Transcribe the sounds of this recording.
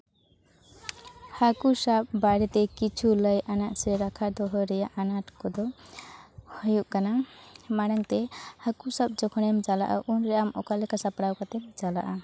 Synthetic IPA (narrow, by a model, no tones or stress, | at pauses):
hakusab̚baɽɛt̪ɛkit͡ʃʰuləjʔanaʔsɛɾakʰad̪ɔɦɔɾɛjaʔanaʈkɔd̪ɔ | hɔjuʔkanamaɽəŋt̪ɛhakusab̚d͡ʒɔkʰɔnɛmd͡ʒala̰ʔa̰ʔunɾɛamɔkalɛkasapɽawkat̪ɛd͡ʒala̰ʔa